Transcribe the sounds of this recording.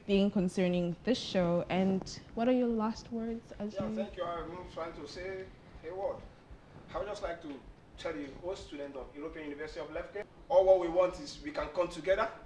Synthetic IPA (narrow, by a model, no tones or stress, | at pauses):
b̥iɪ̃ŋkʰə̃nsɜ̃˞nɪ̃ŋðɪsʃoʊʔɨ̃nwʌɾə˞jə˞last̚wɜ˞dz̥əzjθɛ̃ŋkjuaɪtʰɹ̥aɪɪ̃ŋtuse | hewɔd | aɪwud͡ʒʌstlaɪk̚tu | tʰɛljihostudɛ̃ntɔ̃njuɹopiãnjunivɜsitiɔvlɛfke | ɔlwɔt̚wiwɔ̃ntizwikãnkɔ̃mtʰuɡɛðə